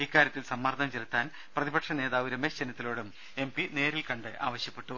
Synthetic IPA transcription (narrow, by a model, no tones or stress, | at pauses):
ikːaːɾjɐt̪ːilsɐmːɐrd̪ɐmt͡ɕeɾt̪ːaːn | prɐðibɐʈʂɐne̞ːðaːʋiɾɐmesd͡ʑenɐt̪ːilo̞ːɽum | e̞mpine̞ːɾilkɐɳɖɨʔa̰ːʋɐɕjɐpːe̞ʈːu